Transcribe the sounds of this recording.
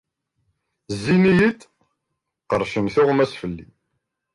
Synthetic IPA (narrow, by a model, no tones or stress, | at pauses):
zːinijət̪ | qəɾˤʃəmθʊʁmæsfəlːḭ